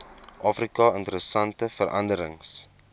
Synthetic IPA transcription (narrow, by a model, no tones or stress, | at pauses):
ʔɑːfrikɑəntəɾəsɐntəfəɾʔɐ̰ndəɾəŋs